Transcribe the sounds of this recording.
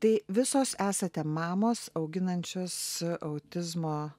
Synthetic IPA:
t̪ɐɪʋʲɪsoːsæːsɐt̪ʲɛmɑːmoːsɐʊɡʲɪnɐnʲt͡ʃʲoːsʔɐʊt̪ʲɪzmoː

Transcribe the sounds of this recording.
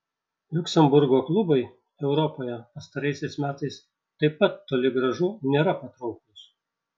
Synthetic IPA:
lʲʊksʲɛmbʊɾɡoːklˠʊbɐɪ | ɛʊɾɔpoːjɛpɐst̪ɐɾɐɪsʲɛɪsmʲæːt̪ɐɪs | t̪ɐɪpːɐt̪ːoːlʲɪɡɾɐʒʊnʲeːɾɐpɐt̪ɾɐʊkʊs

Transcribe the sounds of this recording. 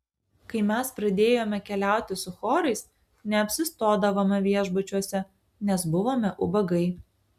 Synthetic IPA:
kɐɪmʲɛspɾɐd̪ʲeːjoːmʲɛkʲɛlʲæˑʊt̪ʲɪsʊxoːɾɐɪs | nʲɛɐpʲsʲɪst̪oːd̪ɐʋoːmɐʋʲiɛʒbʊt͡ʃʲuɔsʲɛ | nʲɛsbʊʋoːmʲɛʔʊbɐɡɐɪ

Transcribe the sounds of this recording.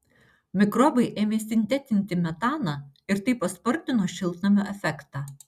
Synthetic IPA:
mʲɪkɾɔːbɐɪʔeːmʲeːsʲɪnʲt̪ʲɛt̪ʲɪnʲt̪ʲɪmʲɛt̪ɑːnɑ | ɪɾt̪ɐɪpɐspɔɾʲt̪ʲɪnoːʃʲɪlˠt̪nɐmʲoʔɛfʲɛkt̪ɑː

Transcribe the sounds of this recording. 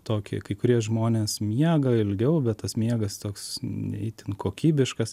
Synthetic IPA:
t̪oːkʲɪ̰kɐɪkʊɾʲiɛʒmoːnʲeːsmʲiɛɡɐɪlʲɡʲɛʊbʲɛt̪t̪ɐsmʲiɛɡɐst̪oːksɛ̰ɪt̪ʲɪnkʰoːkʲiːbʲɪʃkɐs

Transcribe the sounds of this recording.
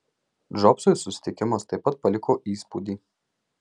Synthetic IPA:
ʒɔpsosʊsʲɪ̥t̪ʲɪkʲɪmɐst̪ɐɪpːɐt̪̚pɐlʲɪkʰoːʔiːspuːd̪ʲiː

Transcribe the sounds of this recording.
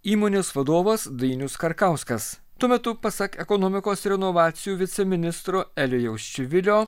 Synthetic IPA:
iːmoːnʲeːsʋɐd̪oːʋɐsd̪ɐɪnʲʊskɐɾkɐˑʊskɐs | t̪uɔmʲɛt̪ʊpɐsɐkɛkɔnoːmʲɪkoːsɾʲɛnɔʋɑːt̪sʲɪjuːʋʲɪt̪sʲɛmʲɪnʲɪst̪ɾoːɛlʲojɛʊʃʲt͡ʃʲʊʋʲɪlʲoː

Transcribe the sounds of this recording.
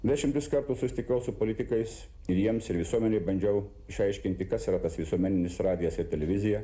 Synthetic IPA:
d̪ʲæʃʲɪmt̪ʊskɐɾt̪uːsʊsʲɪt̪ʲɪkɛʊsʊpoːlʲɪt̪ʲɪkɐɪs | ɪɾjiɛmsɪɾʋʲɪsuɔmʲɛnʲɛɪbɐnʲd͡ʒʲɛʊ | ɪʃɐɪʃʲkʲɪnʲt̪ʲɪkɐsiːɾɐt̪ɐsʋʲɪsuɔmʲɛnʲɪnʲɪsɾɑːd̪ʲɪjɛsɪɾt̪ʲɛlʲɛʋʲɪzʲɪjɛ

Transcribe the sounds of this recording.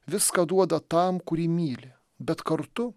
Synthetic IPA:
ʋʲɪskɐd̪uɔd̪ɐt̪ɐmkʊɾʲiːmʲiːlʲɪ | bʲɛt̪kɐɾt̪ʊ

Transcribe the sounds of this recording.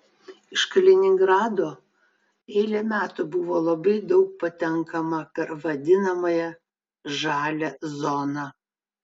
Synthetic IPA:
ɪʃkɐlʲɛnʲɪŋɡɾɑːd̪oː | ɛɪlʲɛmʲæːt̪ʊbʊʋoːlˠɐbɐɪd̪ɒʊk̚pɐt̪ʲɛŋkɐmɐpʲɛɾʋɐd̪ʲɪnɐmɐjɛ | ʒɑːlʲɛzɔnɑ

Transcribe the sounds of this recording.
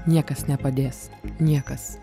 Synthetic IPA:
nʲiɛkɐsnʲɛpɐd̪ʲeːsnʲiɛkɐs

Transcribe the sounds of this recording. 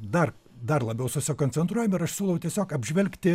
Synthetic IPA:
d̪ɐr | d̪ɐɾlˠɐbʲɛʊsʊsʲɪkoːnʲt͡s̪ʲɛnt̪ɾuɔjɛmɪɾɐʃsʲulˠɐʋɐʊt̪ʲiɛsʲoːkɐbʲʒʲʋʲɛlʲkt̪ʲɪ

